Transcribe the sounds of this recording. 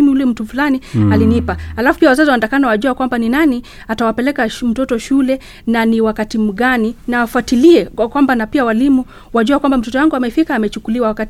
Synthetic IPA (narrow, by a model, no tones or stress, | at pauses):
imiulɛm̩tufulanialinipahalafu̥piawazaziwandakanawaʄuakwambaninani | atawapɛlɛkam̩tɔtɔʃulɛ | naniwakatim̩ɠaninaːfatiliɛkwambanapiawalimu | waʄuakwambam̩tɔtɔjaŋɡuamɛfikaːmɛt͡ʃukuliwawakat